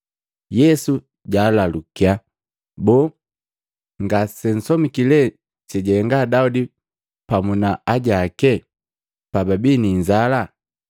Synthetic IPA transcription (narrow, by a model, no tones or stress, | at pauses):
jɛsu | ɟaːlalukia | bɔ | ŋɡasɛn̩sɔmikilɛ | t͡ʃɛɟɛŋɡadaudi | pamunaaɟakɛ | pababiniɲd͡ʒala